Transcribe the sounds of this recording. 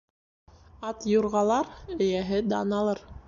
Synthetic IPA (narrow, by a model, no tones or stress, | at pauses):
ɑt̪juɾʁɑlˠɑɾɵ̆jæɦɘd̪ɑnɑlˠɤɾ